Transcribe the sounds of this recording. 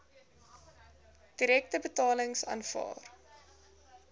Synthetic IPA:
d̥iɾɛk̚təbətɑːləŋsɑ̰ːnfɑ̰ːr

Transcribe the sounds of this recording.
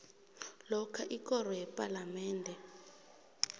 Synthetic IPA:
lɔkʰaʔikʼɔrɔjɛpʼalamɛːndʱɛ

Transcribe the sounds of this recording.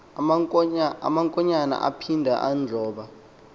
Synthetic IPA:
a̰maŋkʼɔɲana̰ʔa̰pʰindʱaʔand͡ɮʱɔːɓa

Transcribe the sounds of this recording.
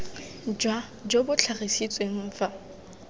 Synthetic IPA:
d͡ʒa | d͡ʒobʊt͡ɬʰarisit͡sʼweŋ̩ːfa

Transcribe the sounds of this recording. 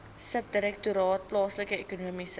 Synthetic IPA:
səp̚diɾɛk̚t̪uɾɔt̪̚plɔsləkəekonomis

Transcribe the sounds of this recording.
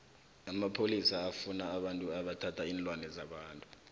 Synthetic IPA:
amapʰolisaːfunaːɓantʼuaɓatʰatʰaiːnlʼwanɛzaɓaːntʼu

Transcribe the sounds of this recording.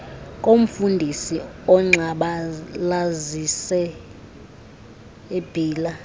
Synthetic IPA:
kʼom̩fundʱisiɔŋ͡ǁaɓalazisɛ | eb̥ʱiːla

